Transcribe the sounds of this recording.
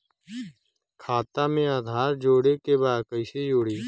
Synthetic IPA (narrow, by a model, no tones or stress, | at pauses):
kʰaːt̪aːmẽːaːd̪ʱaːɾd͡ʒoːɽeːkeːbaːd̪kəɪseːjoːɽiː